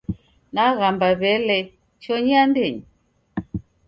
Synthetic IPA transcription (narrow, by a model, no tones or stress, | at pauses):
naɣambaβɛlɛ | t͡ʃɔɲiandɛɲi